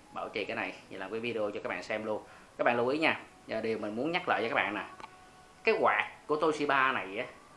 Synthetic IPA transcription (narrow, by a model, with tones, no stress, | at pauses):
ɓaː˧˩wt͡ɕḭ˧˨kaː˨˦na˨˩jlaː˨˩mkaː˨˦jvi˧ɗe˧o˧t͡ɕɔ˧kaː˦˥kɓa̰ː˧˨sɛ˧mlu˧ən | ka˦˥ɓa̰ː˧˨lu˧ʔi˨˦ɲaː˧ | za˨˩ɗe˨˩əwmï˨˩ŋmu˨˦ənɲa˦˥k̚la̰ː˧˨jɔː˧˦kaː˦˥ɓa̰ː˧˨na˨˩ | kaː˨˦ɣwaː˨˩k̚ːu˧˩ət̪o˧jsi˧ɓaː˧na˨˩jʔa˨˦